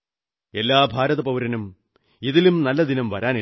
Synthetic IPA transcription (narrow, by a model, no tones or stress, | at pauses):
e̞lːaːbʱaːɾɐðɐpɐʋuɾɐnum | iðilumnɐlːɐd̪inɐmʋɐɾaːni